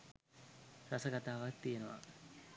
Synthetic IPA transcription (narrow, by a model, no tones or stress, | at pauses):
ɾasɐɡat̪aːʋat̪ːijenoʋa̰